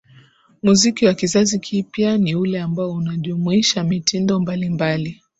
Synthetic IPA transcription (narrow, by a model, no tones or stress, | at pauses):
muzikiwakizazikʰipjaniulɛambaɔunaʄumuiʃamitindɔmbalimbali